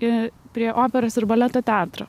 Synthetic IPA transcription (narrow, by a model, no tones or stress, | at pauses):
ɪpʲɾʲiɛʔoːpʲɛɾoːsɪɾbɐlʲɛt̪oːt̪ʲɛnt̪ɾɐ